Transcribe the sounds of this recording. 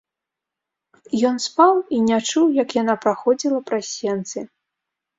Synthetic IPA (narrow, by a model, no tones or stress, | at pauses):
jɔnspawinʲat͡ʂuwjɐkjanapɾaxɔd͡zʲilˠɐpɾasʲɛnt̪sɨ